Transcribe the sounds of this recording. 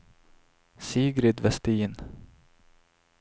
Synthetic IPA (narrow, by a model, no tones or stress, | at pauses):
siːɡɾɪd̪vɛst̪iːn